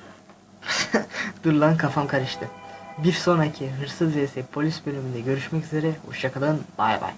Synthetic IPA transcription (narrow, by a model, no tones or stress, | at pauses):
d̪̥uɾlˠankʰafamkʰaɾɯʃt̪ʰɯbiɾso̞nacʰiɦɯɾsɯzesɛpʰo̞lʲisbø̞lʲymynd̪ɛɟø̞ɾyʃmɛcyze̞ɾɛṵʃjakʰad̪anbaɾ̰va̰ɾ̥